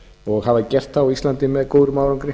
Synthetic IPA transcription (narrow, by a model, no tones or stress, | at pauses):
ɔɣɦavacɛr̥t̪ːaislant̪ɪmɛðkowðɾʏmaːwɾaŋkɾɪ